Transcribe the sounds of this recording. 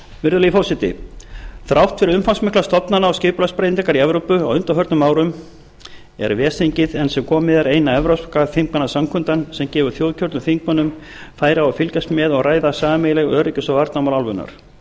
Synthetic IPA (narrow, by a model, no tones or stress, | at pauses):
vɪɾðʏlifɔwsɪt̪ɪ̰θɾawht̪fɪɾʏmfansmɪklast̪ɔpnanaɔwscɪːpʏlaspɾejnɛkaɾiɛvɾowpʏawʏnt̪awɦœɾt̪nʏmaːwɾʏm | ɛ̰ɾvɛːsiɲcɪðɛnsɛmkʰɔːmɪðɛɾejnaɛvɾaskaθiŋkmanasamkʰʏnt̪ansɛmcɛːvʏɾ̥θjowðcʰœɾt̪mθiŋk̚manʏm | faːjɾaafɪlcast̪mɛðɔɣraːjðasaːamejlɛɣœːɾɪcʏsɔwvaɾt̪namawlalvʏna̰ɾ̥